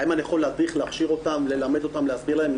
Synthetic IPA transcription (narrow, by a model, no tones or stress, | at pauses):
imanijaχo̞lːead̪ʁiχleaχʃiʁo̞t̪amle̞lame̞d̪o̞t̪amleasbiʁlaem